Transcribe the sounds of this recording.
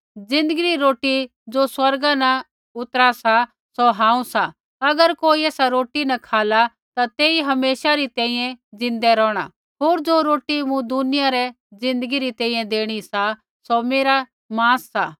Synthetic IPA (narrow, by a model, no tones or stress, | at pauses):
d͡zɪ̃nd̪əɡɪɾiɾoːʈi | d͡zoːswɐɾɡanɐ | ʊt̪əɾasa | soɦãːũsa | ɐɡəɾkoːiɛːsaɾoːʈinɐkʰaːla | t̪at̪eːiɦɐmeːʃaɾit̪ɛ̃ːĩːjɛ̃d͡zɪ̃nd̪ɛɾɔːɽ̃a̰ | ɦoːɾd͡zoːɾoːʈimũd̪ʊnɪjaɾɛ | d͡zɪ̃nd̪əɡiɾit̪ɛ̃ːĩjɛ̃d̪eːɽ̃isa | someːɾa | mãːsːaː